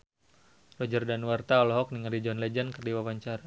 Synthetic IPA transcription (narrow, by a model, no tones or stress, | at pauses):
rɔd͡ʒərdanwart̪aɔlɔɦɔk̚niŋalid͡ʒɔnlɛd͡ʒənkərdiwawaɲt͡ʃaɾa